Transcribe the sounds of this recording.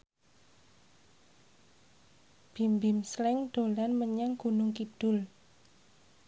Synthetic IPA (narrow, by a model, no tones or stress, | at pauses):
b̥i̤mbimslɪŋd̪̥o̤lanməɲaŋɡ̥unʊŋkid̪̥ʊ̤l